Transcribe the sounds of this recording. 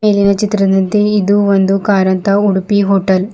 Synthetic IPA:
eːlinɐt͡ʃːɪt̪ːɾɐnd̪ɐnt̪eɪðɯʋɐnd̪ɯkaːɾɐnt̪aʊɽupːiɦoːʈːɐl

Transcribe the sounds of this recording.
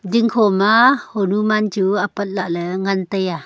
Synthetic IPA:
diŋkʰɔmahɔnumant͡ʃuapat̪̚laʔlɛŋant̪əja

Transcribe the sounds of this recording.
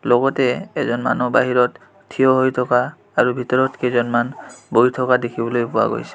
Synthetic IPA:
lɔɡɔtɛɛzɔnma̰nɔba̰ɦiɹɔt | tʰːijɔɦojtʰɔkaː | ɹubʱitɔɹɔtkezɔnmanbojtʰɔkadekʰibɔlojpʊa̰ɡo̰jsɛ̥

